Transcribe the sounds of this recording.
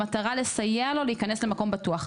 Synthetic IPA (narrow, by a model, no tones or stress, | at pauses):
ataʁale̞sajealo̞leikanesle̞mako̞mbatuaχ